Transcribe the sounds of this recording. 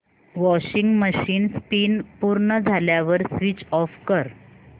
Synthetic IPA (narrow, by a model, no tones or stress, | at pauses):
ʋɔɕiŋɡməɕiːnspiːnpuɾɳəd͡zʱaljaʋəɾsʋit͡ɕɔfkəɾ